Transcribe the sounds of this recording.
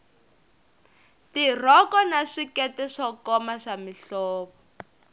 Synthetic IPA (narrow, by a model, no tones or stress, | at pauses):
tir̤ɔkɔnaʂikɛtɛʂɔkɔmaʂamiɬɔːβɔ